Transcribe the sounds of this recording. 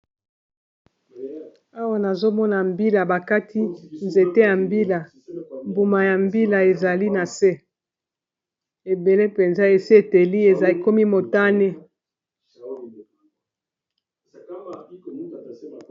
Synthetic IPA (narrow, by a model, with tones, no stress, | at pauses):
a˦wa˨na˨zo˦mɔ˦na˨mbi˦la˨ba˨ka˦tʰi˦nze˨te˦ja˨mbi˦la˨ | mbu˨ma˨ja˨mbi˦la˨e˨za˨li˦na˨se˦ | e˨be˨le˦pe˨nza˦e˨si˦e˨te˨li˦e˨zko˦mi˦mo˨ta˦ne˦